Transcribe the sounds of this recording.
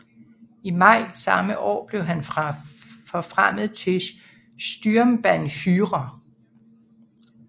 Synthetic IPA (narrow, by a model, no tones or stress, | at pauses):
imɑ̈ɪ̰sɑ̈məʔɒ̰ːb̥le̝ʊɦæn | fɒ̽fʁam̰ð̩ˠt͡sʰe̝ | sd̥yɐmb̥ænfyːʁɐ